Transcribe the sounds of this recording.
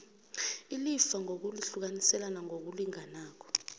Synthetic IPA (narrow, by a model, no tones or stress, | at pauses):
ilifaŋok̬uliɬuk̬anisɛlanaŋok̬uliŋanaːk̬ʰɔ̥